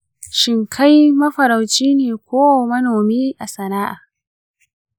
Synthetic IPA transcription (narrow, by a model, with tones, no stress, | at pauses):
ʃɪ˨ŋkʰa˦jmɐ˦ɸɐ˨ɾa˨wt͡ʃiː˦neː˨kʷoː˦wa˨mɐ˦noː˨miː˦ʔa˨sɐ˨naː˦ʔa̰˨